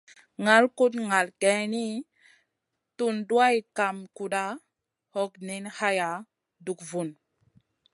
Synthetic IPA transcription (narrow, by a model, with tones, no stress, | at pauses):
ŋa˦lku˦tŋa˨lke˨˦ni˦ | tu˦ndu˦a˦jka˨mku˨ɗa˦ | ho˦kni˦nha˦ja˨ | du˨kvu˨n